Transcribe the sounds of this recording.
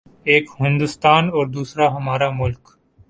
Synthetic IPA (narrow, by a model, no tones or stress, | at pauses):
eːkɦɪ̃nd̪ʊst̪aːnɔːɾd̪uːsɾaɦɐmaːɾamʊlk